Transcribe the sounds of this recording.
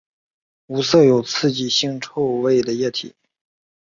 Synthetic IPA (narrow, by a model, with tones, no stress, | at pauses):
u˧˥sɤ˥˩jo˨˩ʊt͡sʰɹ̩˥˩t͡ɕi˨˩ɕi˥˧ŋʈ͡ʂʰo˥˧ʊwe˥˩ɪd̪ə˩jɛ˥˩t̪ʰḭ˨˩˦